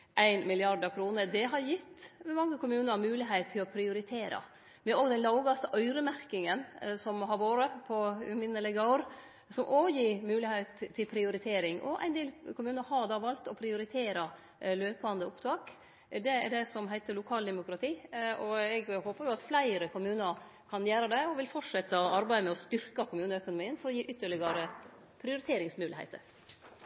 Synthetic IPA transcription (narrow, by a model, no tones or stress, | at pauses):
ʔæɪnmɪlɪɑɾɖ̪ɑkʰɾuːnəd̪ɛɦɑɾjɪt̪ːmɛmɑŋːəkʰʊmʉːnəɾɑmʉːlɪɦeɪt̪t̪ʰːɪlɔpʰɾɪʊɾɪt̪ʰeːɾɑ̰ | mɛoːɡd̪ɛnlɑʊɡɑst̪əʔœʏɾəmæɾkɪŋənsɔmɦɑɾʋoːɾəpʰɔmɪnːəlɪɡəʊɾ | sɔmʔoːjiːmʉːlɪheɪt̪ʰːɪlpʰɾɪʊɾɪt̪ʰeːɾɪŋʔɔ̰ʔæ̰ɪnd̪eːlkʰʊmʉːnəɾhɑd̪ɑːʋɑlt̪ɔpʰɾɪʊɾɪt̪ʰeːɾɑ | løːpəɑnd̪əʊpt̪ʰɑːk | d̪ɛæɖɛsɔmɦæɪt̪əlʊkʰɑːld̪ɛmʊkɾɑt̪ʰiːɔɛɡhoːpəɾjʊɑt̪flæɪɾəkʰʊmʉːnəɾ | kʰɑnjæːɾɑd̪ɛɔʋɪlfɔʈʂɛt̪ːɑɔɑɾbæɪəmɛɔst̪ʏɾkɑkʰʊmʉːnəœkʊnʊmiːənfɔɾɔjiːʔʏt̪ːəɭɪɡɑɾə | pʰɾɪʊɾɪt̪ʰeːɾɪŋsmʉːlɪhḛɪt̪ʰə̰ɾ